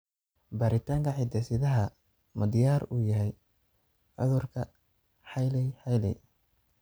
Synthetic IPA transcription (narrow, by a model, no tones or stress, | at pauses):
baːɾɪt̪ʰaːŋkʰɐħɪd̪ɛsɪðɐɦɐ | mʊd̪ɪjaːɾuːjɐɦɛj | ʕʊ̰ðʊrkʰɐ | ħɑjlɛħɑjlɛ̰j